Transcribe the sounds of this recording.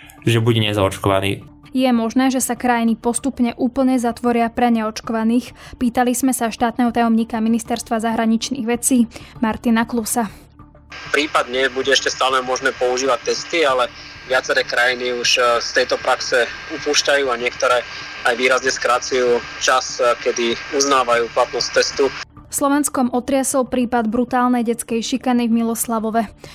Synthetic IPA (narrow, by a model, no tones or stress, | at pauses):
ʒɛbuɟɛɲɛzaɔt͡ʃkɔʋa̰nḭː | jɛmɔʒnɛːʒɛsakɾajinipɔst̪upɲɛʔuːpl̩ɲɛzat̪ʋɔɾɪapɾɛɲɛɔt͡ʃkɔʋaniːxpiːt̪alizmɛsaʃt̪aːt̪nɛɦɔt̪ajɔmɲiːkaminist̪ɛɾst̪ʋazaɦɾaɲit͡ʃnḭːɣʋɛt͡siːmaɾt̪inaklusa | pɾiːpad̪ɲɛbuɟɛɛʃcɛst̪aːlɛmʊɔʒnɛːpɔuʒiːʋac̚t̪ːɛst̪ialɛʋɪat͡sɛɾɛːkɾajiniuʃst̪ɛjt̪ɔpɾaksɛupuːʃcajuːaɲɪɛkt̪ɔɾɛː | ajʋiːɾazɲɛskɾat͡sujuːt͡ʃaskɛd̪iuznaːʋajuːplat̪nɔst̪ːɛst̪u | fslɔʋɛnskɔmʔɔt̪ɾɪasɔlˠpɾiːpad̪bɾut̪aːlnɛjɟɛt͡skɛjʃikanivmilɔslaʋɔʋɛ